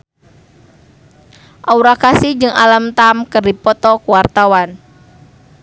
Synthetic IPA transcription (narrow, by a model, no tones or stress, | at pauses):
ʔauɾakasihd͡ʒɨŋa̰lamt̪amkɨrdipɔt̪ɔkuwart̪awan